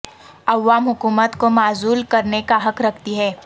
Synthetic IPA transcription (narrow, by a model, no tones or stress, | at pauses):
ɐʋːaːmɦʊkuːmət̪komaːzuːlkəɾnekaɦəkɾəkʰt̪iɦɛː